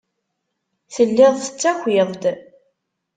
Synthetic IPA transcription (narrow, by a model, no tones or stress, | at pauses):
θəlːɪðˤθə̥t͡sːæxʷiðˤd̪